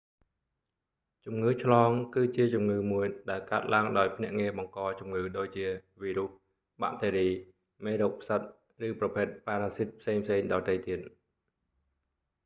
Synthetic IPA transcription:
t͡ɕumŋɨːt͡ɕʰlɑːŋkɨːt͡ɕiət͡ɕumŋɨːmuəjɗaɛlkaət̪̚laəŋɗaɔjpʰnɛ̆əʔŋiəɓɑŋkɑːt͡ɕumŋɨːɗoːc̚t͡ɕiəʋiːɾuh | ɓa̰ʔt̪eːɾiː | meːɾoːk̚pʰsət̪̚ | rɨːprɑpʰeːt̪̚paːɾaːsit̪̚pʰseːŋpʰseːŋɗɑːt̪əjt̪iət̪̚

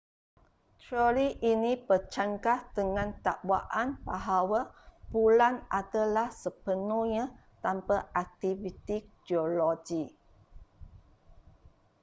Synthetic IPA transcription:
t̪oliʔinĩpət͡ʃaŋkahdəŋãnt̪aʔwaʔanbaɦawabulanadalahsəpənuɲã | t̪ampaʔak̚t̪ivit̪id͡ʒiolod͡ʒi

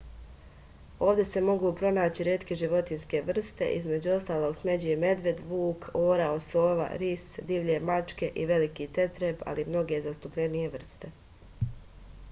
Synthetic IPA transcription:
o̞ːʋd̪e̞se̞mo̞ɡuːpɾo̞naːt͡ɕiɾjeːt̪keʒiʋo̞t̪inske̞ʋr̩st̪e̞̰ʔizme̞d͡ʑuo̞st̪aːlˠo̞ːɡsme̞d͡ʑeme̞d̪ʋe̞d̪ʋuːkʰoːɾao̞soːʋa̰ɾisd̪iʋʎemat͡ʃke̞ʔiʋe̞likiːt̪e̞t̪ɾepa̰limno̞ɡe̞zast̪upʎenije̞ʋr̩st̪e̞

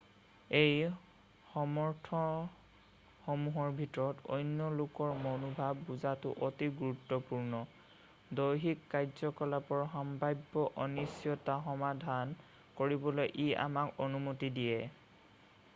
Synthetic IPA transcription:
ej | xɔmɔɹtʰɔ | xɔmuɦɔɹbʱitɔɹɔtɔ̰jnjɔlokɔɹmɔnubʱabːuzatʊ̰ʔɔtiɡuɹutːɔpuɹnɔ | dojɦikːajzɔkɔlapɔɹɦɔmbajbːɔʔɔnisjɔtaxɔmadʱan | koɹibɔlojʔia̰makɔnumotidijɛ

